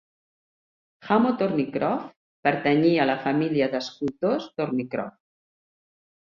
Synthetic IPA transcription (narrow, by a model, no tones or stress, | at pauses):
xamot̪oɾnikɾɔf | pəɾt̪əɲialəfamiliəðəskut̪ost̪oɾnikɾɔ̰f